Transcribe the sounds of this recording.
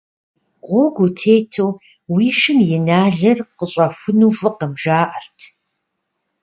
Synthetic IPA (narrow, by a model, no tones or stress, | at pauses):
ʁʷoɡʷutʰeːjtʰoː | wiːʃɪmjɪnaːɮɐrqəɕʼɐfʷʊnuːfɨqəmʒaːʔɐɬtʰ